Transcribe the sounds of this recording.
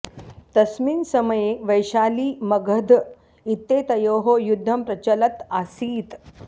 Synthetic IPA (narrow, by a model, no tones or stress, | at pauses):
t̪ɐsmiːnsɐməjeʋəjɕaːliːmɐɡʱəd̪ʱ | it̪ːeːt̪ɐjoːɦojud̪ʱːɐmpɾɐt͡ɕɐlɐt̪asiːt̪